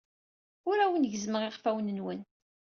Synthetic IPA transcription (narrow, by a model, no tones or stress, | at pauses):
ʊɾæwənʝzməʁɪʁfæwnənwən